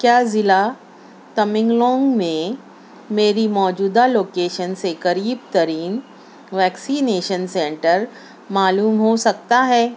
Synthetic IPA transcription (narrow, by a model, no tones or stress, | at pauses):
kjaːzɪla | t̪ɐmɪ̃ŋɡlɔ̃ːŋɡmẽ | meːɾimɔːd͡ʒuːd̪aloːkeːʃənsekɐɾiːb̚t̪ɐɾiːn | ʋɛːksiːneːʃənsɛ̃ɳʈəɾ | maːluːmɦosɐk̚t̪aɦɛː